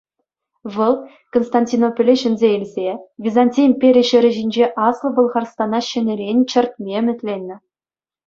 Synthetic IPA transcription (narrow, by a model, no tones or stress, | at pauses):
ʋɤ̆lˠ | konst̪ɑnʲtʲinopʲĕlʲiɕɘ̆nʲzʲeilʲzʲevʲizanʲtʲijmʲpʲeɾʲeɕɘ̆ɾʲɘ̆ʑinʲd͡ʑeʔɑslˠɤ̆bɤ̆lˠʁɑrst̪ɑnɑɕɘ̆nʲɘ̆ɾʲenʲt͡ɕɘ̆rʲt̪̚ʲmʲĕmʲɘ̆tʲlʲenʲːɘ̆